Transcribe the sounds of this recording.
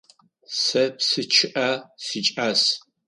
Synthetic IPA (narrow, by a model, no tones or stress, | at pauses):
sɐpsɨt͡ʃʰɪʔasit͡ʃʼas